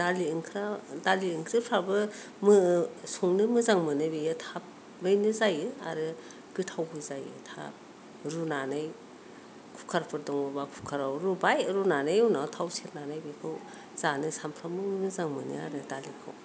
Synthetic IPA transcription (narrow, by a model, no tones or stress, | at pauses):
daliɯŋkʰɾadaliɯŋkʰɾɯpʰɾabɯ | mɯsuŋnɯmɯzaŋmɯnɯbejɯtʰap̚ | bɯjnɯzajɯa̰ɾɯ | ɡ̥ɯtʰawbɯzajɯ̰tʰa̰p̚ | ɾunanɯj | kʰukʰaɾpʰɯɾdɔŋɯbakʰu̥kʰaɾawɾubajɾunanɯjɯwnatʰawsiɾnanajbekʰɯw | z̥anɯsampʰɾamɯmɯzaŋmɯnɯ̰a̰ɾɯdalikʰɯ̰w